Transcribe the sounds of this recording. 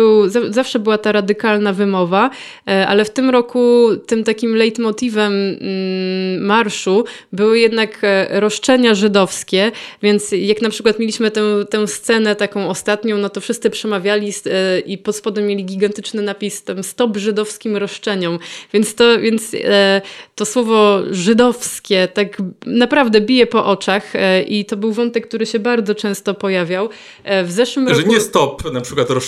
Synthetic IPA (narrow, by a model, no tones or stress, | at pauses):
bɘwzazafʂɛbɘwat̪aɾad̪ɘkalnavɘmɔva | ʔa̰lɛft̪ɘmɾɔkut̪ɘmt̪akʲimlɛjt̪mɔt̪ivɛm | aɾʂu | bɘwɘjɛd̪nakɾɔʂt͡ʂɛɲaʐɘd̪ɔfskʲɛvʲjɛnt̪sjaknapʂɘ̥ɨkwat̪mʲelʲiɕmɘt̪ɛw̃t̪ɛw̃st̪sɛnɛt̪akɔ̃w̃ɔst̪at̪ɲɔ̃w̃nɔt̪ɔfʂɘst̪sɘpʂɛmavʲjalʲisʔipɔt̪spɔd̪ɛmʲːjelʲiɡʲiɡant̪ɘt͡ʂnɘnapʲist̪ɛmst̪ɔbʐɘd̪ɔfskʲimɾɔʂt͡ʂɛɲɔmvʲjɛnt̪st̪ɔvʲjɛnt̪s | t̪ɔswɔvɔʐɘd̪ɔfskʲɛt̪aɡnapɾavd̪ɛbʲijɛpɔʔɔt͡ʂaxʔit̪ɔbɘwvɔnt̪ɛkk̚ːt̪uɾɘɕɛbaɾd̪zɔt͡ʂɛ̃w̃st̪ɔpɔjavʲjaw | vzɛʂwɘmʐɛɲɛst̪ɔpnapʂɘkwat̪ɾɔ